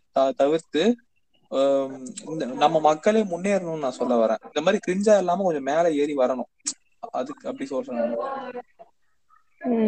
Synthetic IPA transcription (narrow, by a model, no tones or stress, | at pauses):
t̪ɐt̪ɐʋɪɾt̪ɯ | ɪnd̪ɐnɐmːɐmɐkːɐɭeːmʊnːeːɪɾɯnʊ̃nːɯnãːsɔlːɐʋɐɾḛ̃ːɪnd̪ɐmaːd̪ɾikɾɪɲd͡ʒaːɛlːaːmɐkɔɲd͡ʒɔ̃meːlɐeːɾiʋɐɾɐɳʊ̃ | ɐðɯkːɯɐpːɐɽisoːsɐnɐnɐ